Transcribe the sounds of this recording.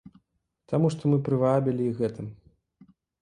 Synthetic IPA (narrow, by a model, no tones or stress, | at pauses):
t̪amuʂt̪ɔmɨpɾɨvabʲilʲiiɣɛt̪ɨm